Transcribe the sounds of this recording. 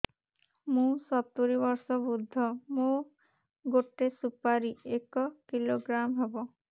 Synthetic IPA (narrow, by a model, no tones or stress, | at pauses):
mũsɔt̪ːuɾibɔɾsɔbud̪ʱːɔmo | ɡoʈːesupaɾiekɔkiloɡɾamɦebo